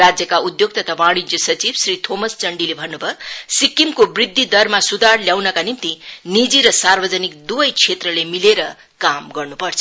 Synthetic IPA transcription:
ad͡zjʌkaud̪joɡ̚t̪ʌt̪ʰabaɽ̃id͡zjʌsʌt͡sibsrit̪ʰomʌst͡sʌɳɖilebʱʌnːubʱʌsikːimkobrid̪ʱːid̪ʌrmasud̪arljawnʌkanint̪inid͡ziɾʌsarbʌd͡zʌnik̚d̪ubʌjt͡sʰet̪rʌlemileɾʌ | kamɡʌrnupʌrt͡sʰʌ

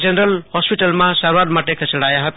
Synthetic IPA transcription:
d͡ʒenɾəlhɔspiʈəlmasaɾwat̪maʈekʰet͡ʃəɽajaɦʌt̪

